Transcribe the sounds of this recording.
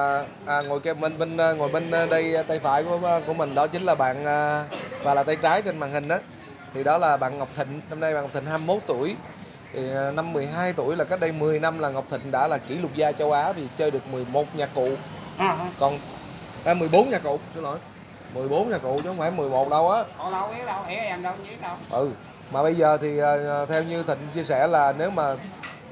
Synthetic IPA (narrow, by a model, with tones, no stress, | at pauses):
ʔːŋo˨˩jkɛ˨˩ɓə˧nɓe˧nː˧ŋo˨˩jɓe˧nː˧ɗə˧jt̪a˧jfa̰ː˧˩˦jkːku˧˩əmï˨˩ŋ̟ɗɔ˨˦t͡ɕï˨˦ŋ̟laː˨˩ɓa̰ː˧˨nʔəː˨˧vaː˨˩laː˨˩t̪jt͡ɕaː˨˦jt͡ɕe˧nmaː˨nhï˨˩ŋ̟ʔaː˨˦ | t̪ʰi˨˩ɗɔ˨˦laː˨˩ɓa̰ː˧˨nŋa˨˩wk͡p̚t̪ʰï˨ŋ̟na˧mna˧jɓaː˨ŋ˨˩k͡p̚t̪ʰï˨ŋhaː˧m˧mo˦˥t̚t̪u˧˥˨əj | t̪ʰi˨˩˨na˧mːɨ˨˩əjɦaː˧jt̪u˧˥əjlaː˨˩ka˦˥k̚ɗə˧jmɨ˨˩əjna˧mlaː˨˩ŋa˨˩wk͡p̚t̪ʰï˨ŋ̟ɗa̰ː˧˥laː˨˩ki˧˩˦lʊ˨˩k͡p̚zaː˧t͡ɕə˧wʔaː˨˦vi˨˩t͡ɕəː˧jɗɨ˨˩ək̚mɨ˨˩əjmo˨˩t̚ɲaː˨˩kkːṵ˧˨˧ | kɔ˨˩n | taː˧mɨ˨˩əjɓo˨˦nɲaː˨˩kṵ˧˨sɨ˧lɔ˧˩˦j | mɨ˨˩əjɓo˨˦nɲaː˨˩kṵ˧˨ʔt͡ɕːhə˧wŋ͡mfaː˧˩jmɨ˨˩əjmo˨˩t̚ɗə˧wʔaː˨˦o˧˨la˧˦wi˦˥əɗa˧wi˨˦a˨˩ŋɗə˧ɲi˧˦ɗa˧wʔɨ˨˩ | maː˨˩ɓə˧jzəː˨˩t̪ʰi˨˩ʔəː˨˩˨t̪ʰɛ˧wɲɨ˧t̪ʰï˨ŋ̟t͡ɕi˧əsɛ̰˧˩laː˨˩ne˨˦wmaː˨˩